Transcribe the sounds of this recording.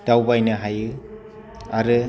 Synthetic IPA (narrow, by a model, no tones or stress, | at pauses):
d̥awbajnɯɦajɯ | aɾɯ